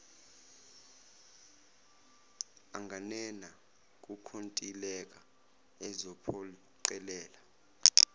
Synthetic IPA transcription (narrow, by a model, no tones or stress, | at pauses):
aŋʱanɛna | k̬ʼukʰontʼilɛk̬ʼa | ɛzɔpʰɔ | ǀɛlɛːla